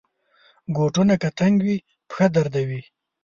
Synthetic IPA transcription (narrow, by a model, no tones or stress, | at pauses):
ɡoʈunakat̪aŋɡwi | pxad̪aɾd̪awi